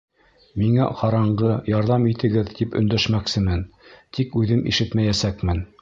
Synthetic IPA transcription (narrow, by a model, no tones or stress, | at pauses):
miŋæ̰qɑɾɑɴɢɤjɑɾðɑmit̪ɘ̆ɡɘðt̪ipɵ̰̆nd̪æʃmæksɘmɘnt̪ʰikʉðɘmʔḭʃɘt̪mæjæsækmɘn